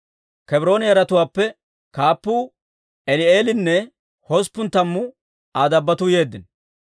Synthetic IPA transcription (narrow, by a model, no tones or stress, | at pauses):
kɛbɾo̞ːnɪjɐɾɐt̪ʊwaːpːɛ | kaːpːuː | ɛlɪeːlɪnːɛ | hɔspːʊnt̪ɐmːʊ | aːd̪ɐbːɐt̪ʊje̞ːd̪ːɪn